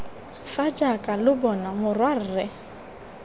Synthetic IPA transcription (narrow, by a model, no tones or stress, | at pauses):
fad͡ʒakʼalʊbɔnamʊrwar̩rɛ